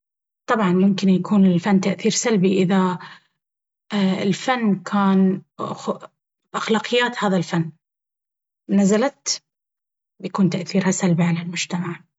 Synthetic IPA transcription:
t̪ˤɑbʕɑnmʊmkɪnjakʰuːnɪlfanːt̪aʔθiːɾsalbiʔɪða | ɪlfanːkʰaːn | ʔaxlaːqɨjːaːt̪haːðalfanː | nazalat̪ | bjakuːnt̪aʔθiːɾhasalbiʕalalmʊd͡ʒt̪amaʕ

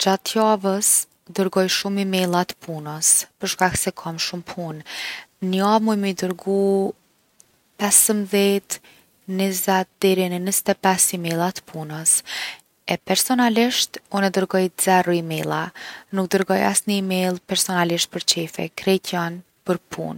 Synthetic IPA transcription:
d͡ʑat̪javəs | d̪əɾɡɔjʃumimɛlˠat̪ə̥pʰunəspəɾʃkaksɛkʰamʃumpʰunnəamujməid̪əɾɡu | pɛsəmðɛt̪ | nizɛt̪̚d̪ɛɾinənəst̪ɛpɛsimɛlˠat̪ə̥pʰunəs | ɛpɛɾsɔnaliʃt̪unɛd̪əɾɡɔjz̥ɛrɔimɛlˠanuk̚d̪əɾɡɔja̰snəimɛlˠpɛɾsɔnaliʃt̪̚pəɾt͡ʃɛfɛ̰kɾɛcʰan | pəɾpʰṵn

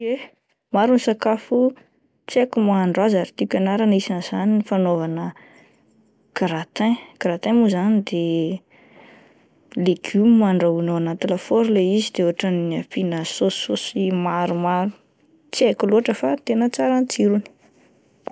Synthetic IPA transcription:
e | maɾunisakafu | t͡sekumaːɳɖ͡ʐazaɾit̪ikʲanaɾanisinz̥aninifanovanə | kaɾat̪ãkaɾat̪ãmuzanid̪e | leɡ̥umimaɳɖ͡ʐaunoanant̪ilafoɾleizid̪̥euɦaʈ͡ʂaniiapinəsososimaɾumaɾu | t͡sekuloaʈ͡ʂəfat̪enət͡saɾant͡siɾuni̥

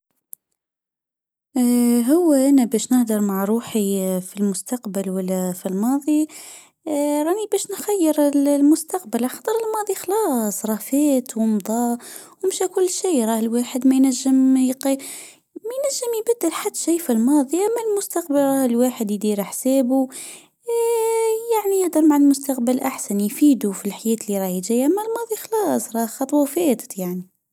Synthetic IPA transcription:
ɦʊwːæʔænæbɛːʃnɪhd̪ɑɾˤmaʕɾˤuːħifilmʊst̪ɑqbəlwælːæfilmɑːðˤi | ɾˤɑnibɛːʃnxæjːəɾəllmʊst̪aq̚bəlʕaxɑt̪ˤəɾəlmɑːðˤixlɑːsˤɾˤɑːfæːt̪wʊmd̪ˤɑːwmʃækʊlːʃiːɾˤɑːhlwaːħəd̪mæjnæʒːəmjqi | mæjnæʒːəmjbæd̪ːəlħad̪ːʃiːfilmɑːd̪ˤiʔæmːælmʊst̪aqbəlɾˤɑhlwaːħəd̪jd̪iɾħsæːbu | jaʕnijəʔd̪ɑɾˤmaʕalmʊst̪aqbəlʔaħsænjfiːd̪ufilħajɛːt̪əlːiɾˤɑhjʒæjʔæmːælmɑːðˤixɑlɑːsˤɾˤɑxɑt̪ˤwæfɛːt̪ə̥t̪jaʕni

